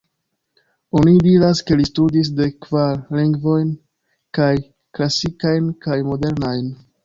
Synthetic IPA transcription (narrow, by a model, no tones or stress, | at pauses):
o̞nidiɾaske̞listudis̬de̞kvaɾliŋɡvo̞jn | kaj | klasikajnkajmo̞de̞ɾnajn